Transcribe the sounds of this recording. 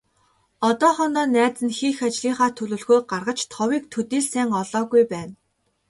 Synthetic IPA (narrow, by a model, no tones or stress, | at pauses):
ɔt̪ɔːχɔnt̪ɔːnæːt͡sɘ̆nxiːxat͡ɕɮiːŋχaːt̪ʰɵɮɵ̆ɮɣuːjɢarʁə̆t͡ɕt̪ʰɔwiːk̚t̪ʰɵt̪iːɮsæːŋɔɮɔːɣujpæːn